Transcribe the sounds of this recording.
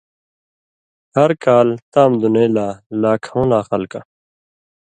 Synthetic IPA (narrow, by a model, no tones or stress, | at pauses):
hɐɾkaːlt̪aːmd̪uneːlaːlaːkʰaũnaːxɐlka̰